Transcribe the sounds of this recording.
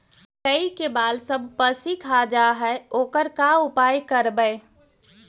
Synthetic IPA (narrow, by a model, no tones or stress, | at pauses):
kəikebaːlsəbʱpəsikʰad͡ʒaɦɛoːkəɾkaʊpaːjkəɾbəe